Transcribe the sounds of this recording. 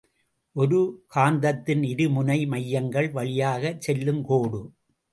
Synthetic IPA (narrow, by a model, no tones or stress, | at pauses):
ʔɔɾɯkaːnd̪ɐt̪ːɪnɪɾɯmʊnɐɪmɐjːɐŋɡɐɭʋɐɭɪjaːɣɐt͡ʃsɛlːɯmkoːɽɯ